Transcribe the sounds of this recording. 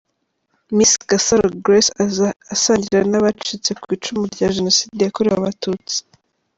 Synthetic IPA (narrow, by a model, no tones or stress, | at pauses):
miskasaɾoɡɾesasaːɲɟiɾanaβat͡ʃit͡se̞kwiːt͡ʃumuɾɟaʒeno̞siːdejakoɾeβaβatuːt͡si̥